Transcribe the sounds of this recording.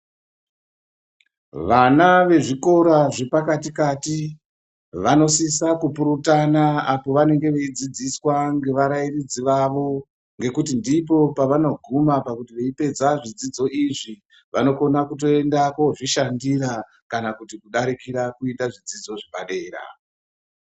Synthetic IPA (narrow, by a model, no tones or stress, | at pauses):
ʋanaʋe̞ʐiko̞ɾaʐe̞pakatikati | ʋano̞sisakupuɾutanaapo̞ʋane̞ŋɡe̞ʋeid͡zid͡ziswaŋɡe̞ʋaɾairid͡ziʋaʋo̞ | ŋɡe̞kutindipo̞paʋano̞ɡʱumapakutiʋe̞ipe̞d͡zaʐid͡zid͡zo̞ʔiʐi | ʋano̞ko̞nakut̬o̞e̞ndakoʐiʃandiɾa | kanakutikuɗaɾikiɾakuitdaʐid͡zid͡zo̞ʐibaɗe̞ːɾa̰